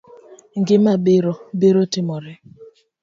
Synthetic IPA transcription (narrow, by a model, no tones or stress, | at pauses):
ŋ̩ɡɪmabɪɾɔbɪɾotɪmɔɾɪ